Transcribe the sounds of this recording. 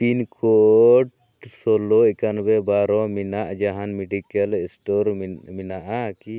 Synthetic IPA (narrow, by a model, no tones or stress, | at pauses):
pinkʰɔʈ | sɔlɔɛkanbɛbaɾɔminaʔd͡ʒaɦanmɛɖikalɛsʈɔɾminaʔaki